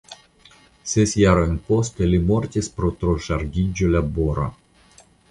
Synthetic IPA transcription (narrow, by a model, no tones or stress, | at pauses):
sesjaɾojnpost̪elimoɾt̪ʲispɾot̪ɾoʃaɾɡʲid͡ʒolaboɾa̰